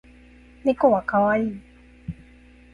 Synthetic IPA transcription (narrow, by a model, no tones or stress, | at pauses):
nekowakawai